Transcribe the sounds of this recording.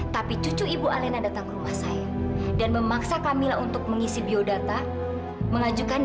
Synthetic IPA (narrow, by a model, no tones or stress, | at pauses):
t̪apit͡ʃut͡ʃuibualenadat̪aŋkəɾumahsajadanməmaksakamilaunt̪ʊk̚məŋisibiodat̪a | məŋad͡ʒukan